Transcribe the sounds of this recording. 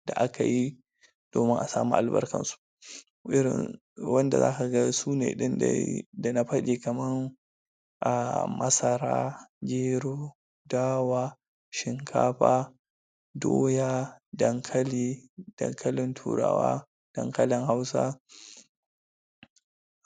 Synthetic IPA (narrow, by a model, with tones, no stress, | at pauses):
d̥a˨ʔa˦ka˨ji˦ | d̥oː˨mɪ˦ŋʔa˨saː˨mṵː˦ʔa̰˨lbɐ̰˦rkɐ̰˨nsu̥˦ʔ | ʔɪ˦ɾɪ̰˨n | wɐ˦nda̰˨zaː˦ka˨ɡɐ˦suː˦nḛː˨ɗɪ˦n̰˦da˨na˨˦ɸɐ˦ɗe˨kɐ˨mɐ˦ŋ | ʔa˨mɐ˦sɐ˨ɾa̰ː˦d͡ʒeː˦ɽoː˦ | daː˦waː˦ | ʃɪ˨ŋkʰa̰ː˦ɸaː˦ | doː˦jaː˦dɐ˨ŋkʰɐ˦liː˦d̥ɐ̰˨ŋkʰɐ˦lɪ˨ntʰṵː˨ɽa̰ː˨wa̰ː˦ | d̥ɐ˦ŋkɐ˦lɪ˨ŋha˦wsa̰˦